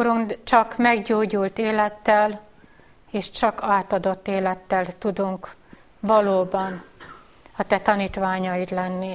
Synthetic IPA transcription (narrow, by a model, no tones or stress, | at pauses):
oɾunt͡ʃɒkmɛɡɟoːɟult̪eːlɛt̪ːɛl | eːʃt͡ʃɒkʰaːt̪ɒd̪o̞t̪ːeːlɛt̪ːɛlt̪ud̪uŋk | ʋɒloːbɒn | ɒt̪ɛt̪ɒniːt̪ʋaːɲɒjid̪lɛnːi